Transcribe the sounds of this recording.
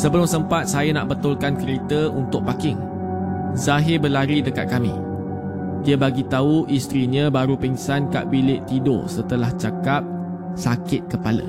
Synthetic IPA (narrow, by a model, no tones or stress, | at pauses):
səbəlʊmsəmpat̪̚sajana̰ʔbət̪ʊlkankəɾit̪əunt̪ʊk̚pakɪŋ | zaɦɪrbəlaɾidəkat̪̚kamḭ̃ | diabaɡit̪auʔist̪ɾiɲãbaɾupiŋsanka̰ʔbilɪʔt̪ido̰sət̪əlaht͡ʃakap̚ | sakɪt̪̚kəpalə̰